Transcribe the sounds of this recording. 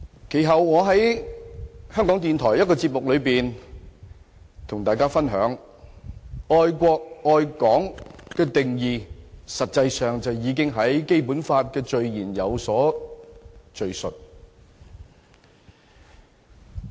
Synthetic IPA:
kʰe˨˩jɦɐ˨wŋɔː˨˧ɦɐ˨˥j | hœː˥ŋkɔ˨˥ŋt̪iː˨nt̪ʰɔː˨˩jɐ˥t̚kɔː˧t͡siː˧p̚mʊ˨k̚lɵ˨˧ɥpiː˨n | t̪ʰʊ˨˩ŋt̪aː˨jkaː˥fɐ˥nɦœː˨˥ŋ | ɔː˧jkʷɔː˧k̚ɔː˧jkɔː˨˥ŋkɛː˧t̪ɪ˨˩ŋjiː˨˧sɐ˨t̚t͡sɐ˧jsœː˨ŋt͡sɐ˨wjiː˨˧k̬ɪ˥ŋɦɐ˨˥jke˥jpuː˨˥nfaː˧t̚kɛː˧t͡ʃɵ˨ɥjiː˨˩njɐ˨˧wsɔː˨˥ | t͡ʃɵ˨ɥsɵ˨t̚

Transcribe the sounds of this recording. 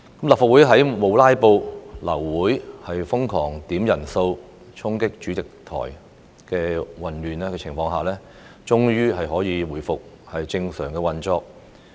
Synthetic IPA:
kɐ˨˦mlɐ˨pfaː˨wu˨˥jɦɐ˨˥jmo˨˧wlaː˥jpo˧wlɐ̰˨˩wːuː˨˥jhɐ˨jfʊ˥ŋkʰɔː˨˩ŋt̪iː˨˥mjɐ˨˩nso˧w | t͡ʃʰʊ˥ŋkɪ˥k̚t͡ʃyː˨˥t͡sɪ˨k̚t̪ʰɔ̰ː˨˩j | kɛː˧wɐ˨nlyː˨naː˥kɛː˧t͡sʰɪ˨˩ŋfɔː˧ŋɦaː˨lɛː˥ | t͡ʃʊ˥ŋjyː˥ɦɐ˨jɦɔː˨˥jiː˨˧wuː˨˩jfʊ˨k̚ | hɐ˨jt͡sɪ˧ŋsœː˨˩ŋkɛ˧wɐ˨nt͡ʃɔː˧k̚

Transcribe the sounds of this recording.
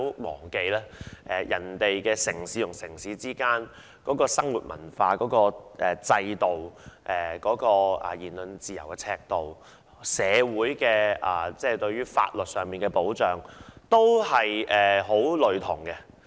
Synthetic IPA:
mɔ̰ː˨˩ŋke˨jlɛː˥ʔɛː˨˩jʔɐ˨˩nt̪e˨jkɛː˧sɪ˨˩ŋsiː˨˥t̪ʰʊ˨˩ŋsɪ˨˩ŋsiː˨˧˥t͡siː˥kaː˥n | kɔː˨˥kɔː˧sɐ˥ŋwuː˨t̚mɐ̰˨˩nfaː˧kɔː˨˥kɔː˧ʔɛ˨t͡sɐ˧jt̪o˨wʔɛː˨˩kɔː˨˥kɔː˧ɛ̰˨˩jiː˨˩nlɵ˨nt͡siː˨jɐ̰˨˩wkɛ˧t͡sʰɛː˧k̚t̪o˨w | sɛː˨˧wuː˨˥jkɛː˧ʔɐː˨t͡sɛː˥t̪ɵ˧ɥyː˥fa̰ː˧t̚lɵ˨t̚sœː˨ŋmiː˨˩nkɛ˧po˨˥wt͡ʃœː˨˩ŋt̪o˥whɐ˨jʔɛː˨ɦo˨˥wlɵ˨˧ɥt̪ʰʊ˨˩ŋkɛ˧

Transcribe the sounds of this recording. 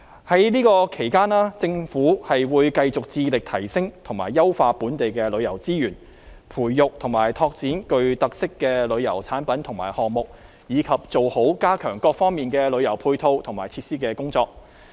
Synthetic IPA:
hɐ˨˥jniː˥kɔː˧kʰe˨˩jkaː˥nlaː˥t͡sɪ˧ŋfuː˨˥hɐ˨jwuː˨˧jkɐ˧jt͡sʊ˨k̚t͡siː˧lɪ˨k̚t̪ʰɐ˨˩jsɪ˥ŋt̪ʰʊ˨˩ŋma̰ː˨˩jːɐ˥wfaː˧puː˨˥nt̪e˨jkɛː˧lɵ˨˧ɥjɐ˨˩wt͡siː˥jyː˨˩n | pʰuː˨˩jːʊ˨k̚t̪ʰʊ˨˩ŋmaː˨˩jt̪ʰɔː˧k̚t͡siː˨˥nkɵ˧ɥt̪ɐ˨k̚sɪ˥kːɛː˧lɵ˨˧ɥjɐ̰˨˩wt͡sʰaː˨˥npɐ˨˥nt̪ʰʊ˨˩ŋma̰ː˨˩jhɔː˨ŋmʊ˨k̚ | jiː˨˧kʰɐ˨p̚t͡so˨who˨˥wkaː˥kʰœː˨˩ŋkɔː˧k̚fɔː˥ŋmiː˨nkɛː˧lɵ˨˧ɥjɐ˨˩wpʰuː˧jt̪ʰo˧wt̪ʰʊ˨˩ŋma̰ː˨˩jt͡sʰiː˧t̚siː˥kɛː˧kʊ˥ŋt͡sɔː˧k̚

